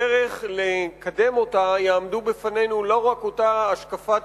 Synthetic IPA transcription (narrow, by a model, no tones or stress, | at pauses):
eʁeχlekade̞mo̞tajaːmd̪ubefane̞jnulo̞ʁako̞taːʃkafa